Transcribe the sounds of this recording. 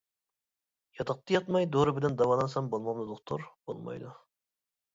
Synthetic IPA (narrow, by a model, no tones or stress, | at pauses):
jɑt̪ʰɑq̚t̪ʰɑjɑt̪mɑjd̪oɾɨbɪlɛnd̪ɑwɑlˠɑnsɑmbolˠmɑʁnɨd̪oχt̪ʰuɾbo̰lˠmɑ̰jd̪u